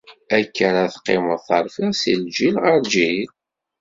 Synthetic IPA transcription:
ækːəɾaθqːḛməðˤθɑɾˤfiʁsild͡ʒilʁəɾd͡ʒil

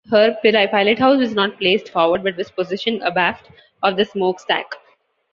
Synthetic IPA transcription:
həɾpɪlaɪpaɪləʈɦaʊsɔznɔːʈ̚pleːsʈfɔːɾʋəɾɖbʌʈ̚ʋɪzpozɪʃə̃nəbæːfʈ | ɔːʋd̪əsmoːksʈæ̰k

